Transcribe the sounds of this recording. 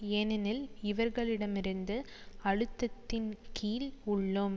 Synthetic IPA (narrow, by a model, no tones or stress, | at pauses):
eːnɐnɪlɪʋɐɾɣɐɭɪɽɐmɪɾɯnd̪ɯ | ɐɻɯt̪ːɐt̪ːɪnkʰiːlʊɭːʊm